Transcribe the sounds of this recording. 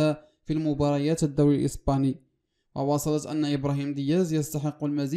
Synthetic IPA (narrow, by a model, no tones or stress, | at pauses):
a | filmʊbɑɾˤɑjæt̪əd̪ːuwlilʔə̰spɑni | wɑwɑsˤɑlɑt̪ʔæ̰nːaʔəbɾɑɦiːmd̪əjæzjɑst̪ɑħəqːʊlmæzi